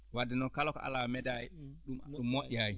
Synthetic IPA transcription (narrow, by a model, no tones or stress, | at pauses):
wadːɛnɔnkalɔkɔʔa̰lamɛdajɗumɗumːoɗʲːiaji